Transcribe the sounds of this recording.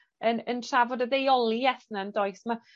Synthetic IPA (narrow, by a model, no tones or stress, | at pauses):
ənəntʰravɔdəðejɔlˠiɛθnaəndɔɨsma